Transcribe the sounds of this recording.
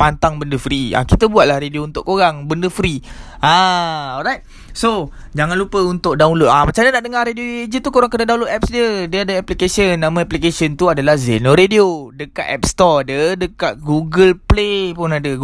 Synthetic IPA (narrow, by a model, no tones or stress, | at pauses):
pant̪aŋbəndəfɾia̰kit̪əbuat̪̚lahɾediount̪ʊʔkoɾaŋbəndəfɾi | ãɔɾajt̪̚ | sod͡ʒaŋanlupəunt̪ʊʔ̚daulʊt̪̚amat͡ʃamdənaʔdəŋaɾedioied͡ʒət̪ukoɾaŋkənadaũloʔ̪ɛpsdədiəadəaplikesiənːãmãaplikesiənt̪uadalahzenoɾediodəka̰t̪̚ɛ̰p̚st̪ɔadədəkat̪̚ɡuɡəlplepʊnadə